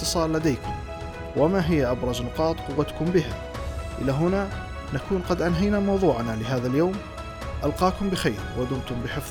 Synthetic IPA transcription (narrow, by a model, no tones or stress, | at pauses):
t̪ːɨsˤɑːllad̪ajkʊm | wʔɪmaɦɪjːaʔabɾˤɑznʊqɑːt̪ˤqʊwːat̪kʊmbɪɦa | ʔɪ̰lːaɦʊna | nakuːnqɑd̪ʔanɦajnamɑwðˤuːʕanalɪɦaːðaljoːm | ʔalqɑːkʊmbɪxajɾwad̪ʊmt̪ʊmbɪħɪf